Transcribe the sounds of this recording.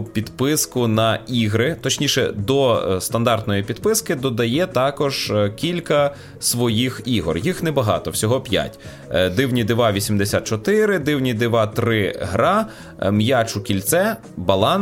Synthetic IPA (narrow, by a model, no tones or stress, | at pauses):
pʲid̪pɪskʊnɐiɦɾɪt̪ɔt͡ʃnʲiʃɛ̰d̪ɔst̪ɐnd̪ɑrt̪nɔjipʲid̪pɪskɪd̪ɔd̪ɐjɛt̪ɑkɔʒkʲilʲkɐ | sʋɔjixiɦɔrjixnɛbɐɦɑ̰t̪ɔwsʲɔɦɔpʲja̰tʲ | d̪ɪwnʲid̪ɪʋɑʋʲisʲimd̪esʲat̪̚t͡ʃɔt̪ɪɾɪd̪ɪwnʲid̪ɪʋɑt̪ɾɪɦɾɑ | mjat͡ʃʊkʲilʲt̪sɛ | bɐlˠɑn